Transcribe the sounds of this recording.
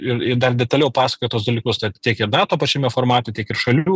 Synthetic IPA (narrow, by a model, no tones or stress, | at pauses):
ɪɾɪd̪ɐrdʲɛt̪ɐlʲɛʊpɑːsɐ̥kojt̪oːsd̪ɐːlʲiːkʊst̪ɐt̪ʲiɛkɪɾnɑːt̪oːpɐt͡ʃʲɛmʲɛfoːrmɑːt̪otʲiɛkɪɾʃɐlʲuː